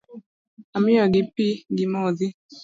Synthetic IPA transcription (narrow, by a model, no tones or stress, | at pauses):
amɪɔɡɪpiɡimɔðɪ